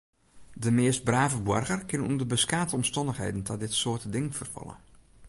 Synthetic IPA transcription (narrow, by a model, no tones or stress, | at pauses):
dəmɪːəst̚braːvəbwɔrɣərkɪnənṵndərbəskaːtəɔmstɔndəxhḛːdən̩tʰɔdɪtsoərtədɪŋənfərfɔ̰lˠə̰